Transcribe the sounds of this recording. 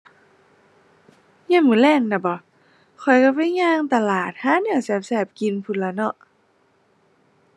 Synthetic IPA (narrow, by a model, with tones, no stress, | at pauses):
ɲi˧˥˨mɯː˧˩˦lɛː˧˩˨ŋna˧˩bɔ˧˩˦ | kʰɔ˨˩jka˧˩pa˧˥˨ɲaː˧˥˨ŋt̪a˧laː˨˩t̪̚haː˧˥˦nɛ˧˩˨sɛː˧˩p̚sɛː˧˩p̚ki˧˨npʰu˧˩n̚laː˧˩nɔ˧˨ʔ